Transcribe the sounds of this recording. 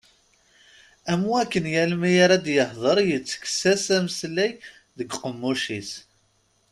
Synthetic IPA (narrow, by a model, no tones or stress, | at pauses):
æmuækːənjælmijaɾad̪jəhðˤəɾˤjət͡sːə̥ksæsæməslæj | ðəɡqəmːuʃis